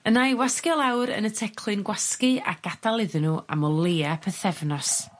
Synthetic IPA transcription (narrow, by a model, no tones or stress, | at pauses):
ənajwaskjɔlˠawɾə̰nətʰɛkʰl̥ˠɨnɡwaskɨa̰ɡ̥adalˠɪðɨnuʔa̰mɔlˠeːapʰəθɛvnɔs